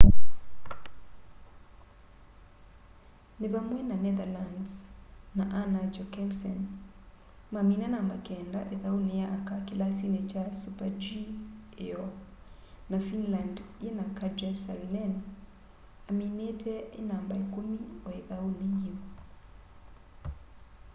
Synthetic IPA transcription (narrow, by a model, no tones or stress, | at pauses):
neβamwɛnanɛðalandsːaʔanad͡ʒɔkɛmsɔn | maminanambakɛːndaʔeðaonejaʔakakelasinet͡ʃasupad͡ʒieɔ | nafinlandenakad͡ʒɛsa̰lnɛn | aminetɛenambaekomiɔeðaonejio